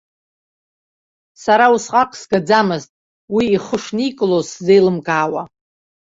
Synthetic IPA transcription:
saɾausqʼaqʼsɡad͡zamɨztʼ | wiːχəʂnikʼlosze̞jlɨmkʼaːwa

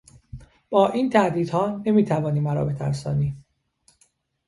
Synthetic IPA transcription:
b̥ɒːʔiːnt̪ʰæʔd̪iːd̪̥hɒːne̞miːt̪ʰævɒːniːmæɾɒ̰ːbe̞t̪ʰæ̰ɾsɒːniː

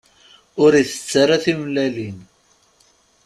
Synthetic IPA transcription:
ʊɾiθə̥t͡sːaɾaθimlælin

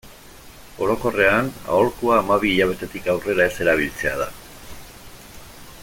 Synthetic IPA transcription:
o̞ɾo̞ko̞re̞ana̰o̞ɾkuaːmaβiːʎaβ̞e̞t̪e̞t̪ikawre̞ɾae̞se̞ɾaβ̞ilt͡se̞að̞a

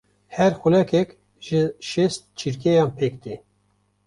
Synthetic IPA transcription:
hɛɾxulɛkɛk | ʒ̥ɪʃɛst̪̚t͡ʃʰiɾkejɑːnpʰeːk̚d̪e

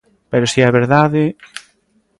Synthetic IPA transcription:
peɾosiɛβeɾðaðɪ

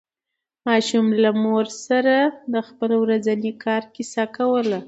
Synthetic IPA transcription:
mɑʃumlamoɾsaɾad̪əxpəlwɾazanikʰɑɾkisakawəla

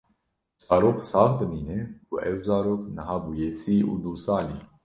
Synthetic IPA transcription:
z̥ɑːɾoːqsɑːfd̪ɨmiːneuʔɛwzɑːɾoːknəɦɑːbuːjesiːʔṵːd̪uːsɑːlḭː

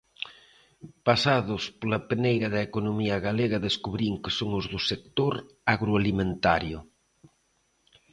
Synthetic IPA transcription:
pasaðospolapenejɣaðaekonomiaɣaleɣaðeskuβ̞ɾiŋkesoŋozðusek̚t̪oɾ | aɣɾoalimẽnt̪aɾjo

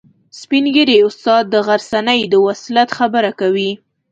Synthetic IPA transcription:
spinɡəɾeʊst̪ɑd̪̚ːəɣaɾsanəjd̪əwaslat̪xabəɾakawi

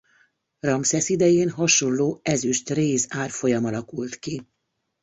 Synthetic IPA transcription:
rɒmsɛsid̪ɛjeːnɦɒʃo̞nloːɛzyʃt̪reːzaːrfo̞jɒmɒlɒkult̪ki

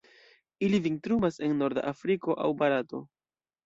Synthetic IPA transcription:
ilivintɾumase̞nːo̞ɾda̰ʔafɾiko̞ʔawbaɾato̞

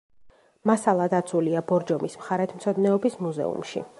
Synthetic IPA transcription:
masalˠad̪at̪sʰuliabɔɾd͡ʒɔmismχaɾɛt̪ʰmt̪sʰɔd̪nɛɔbismuzɛ̰ṵmʃḭ

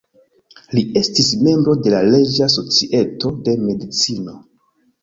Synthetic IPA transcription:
lie̞stisme̞mbɾo̞de̞lale̞d͡ʒaso̞t͡siʔe̞to̞de̞me̞dit͡sino̞

